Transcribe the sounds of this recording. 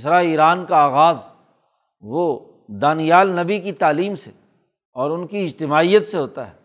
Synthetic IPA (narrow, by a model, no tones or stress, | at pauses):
sɾaiːɾaːnkaaːɣaːz | ʋo | d̪aːnijaːlnɐbikit̪aːliːmse | ɔːɾʊnkiɪd͡ʒt̪ɪmaːijət̪seɦoːt̪a̰ɦɛː